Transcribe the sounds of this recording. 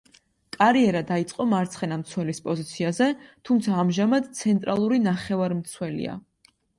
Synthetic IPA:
kʼaɾiɛɾad̪ait̪sʼqʼɔmaɾt̪sʰχɛnamt̪sʰwɛlispʼɔzit̪sʰiazɛt̪ʰumt̪sʰaːmʒamad̪t̪sʰɛnt̪ʼɾalˠuɾinaχɛvaɾmt̪sʰwɛlḭa̰

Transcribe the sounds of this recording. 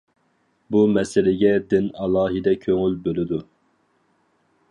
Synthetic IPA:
bumɛsɪlɪɡʲɛd̪ɪnɑlˠɑːɦɨd̪ɛkʲʰøŋylbølɪd̪u

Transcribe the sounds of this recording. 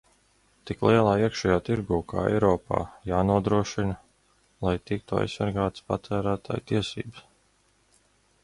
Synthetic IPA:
t̪iklˠiɛlˠaːiɛkʃɛjaːt̪iɾɡuːka̰ːɛ̰jɾɔːpa̰ːjaːnuɔd̪ɾuɔʃinɐ | lˠajt̪ik̚t̪ua̰jssːaɾɡaːt̪spa̰t̪ʰæːɾæːt̪ʰa̰ːjt̪iɛsḭːbə̥s

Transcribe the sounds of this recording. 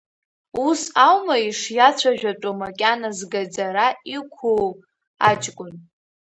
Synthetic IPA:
usawmaiʂjat͡ɕʷʰaʒᶣaʈ͡ʂʷʼomakʲʼanazɡad͡zaɾaikʷʰu | at͡ʃʼkʼʊn

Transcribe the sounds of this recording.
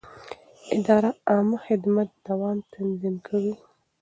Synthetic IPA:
ɪd̪ɑɾaɑməxɪd̪mat̪̚d̪̥awɑmt̪ʰanzimkʰawi

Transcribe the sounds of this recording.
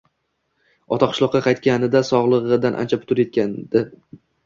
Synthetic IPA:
ɒt̪ʰaqʰɨ̥ʃlˠɒqːɑqʰɑjt̪̚kʲanɪd̪asɒʁlˠɨʁɨd̪anʔa̰nt͡ʃʰapʰʊ̥t̪ʊɾje̞t̪̚kʲand̪ɪ

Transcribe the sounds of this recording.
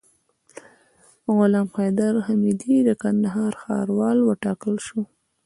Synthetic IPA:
ɣʊlɑmqɑjd̪aɾhamid̪id̪əkand̪aɦɑɾxɑ̰ɾwɑlwəʈɑkəlʃu

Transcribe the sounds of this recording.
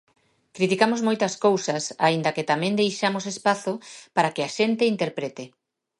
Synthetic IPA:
kɾit̪ikamozmojt̪ɐskowsɐsa̰ind̪ɐket̪amɛ̃nd̪ejʃamosespaθʊpaɾakɪaʃent̪eint̪eɾpɾet̪e

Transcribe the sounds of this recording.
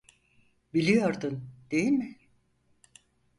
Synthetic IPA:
bilʲijo̞ɾd̪und̪̥e̞jilʲmɪ

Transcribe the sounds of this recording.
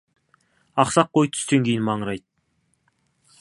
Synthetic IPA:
ɑqsɑq̚ːojt̪̚ʰʏ̥st̪eŋkʲʰejɪnmɑɴɾɑjt̪̚

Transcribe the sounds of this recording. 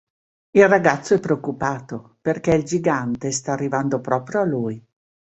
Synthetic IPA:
ilraɡat̪sːoɛpːɾeokːupaːt̪operkɛild͡ʒiɡant̪est̪aːrːivand̪opɾɔːpɾjoaluj

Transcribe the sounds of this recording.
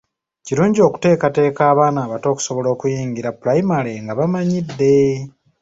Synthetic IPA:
ciɾuːɲɟio̞ːku̥te̞ːkate̞ːkaːβaːnaːβato̞ːku̥so̞βo̞lo̞ːkujiːŋɡiɾapulajimaleŋɡaβamaɲidːe̞

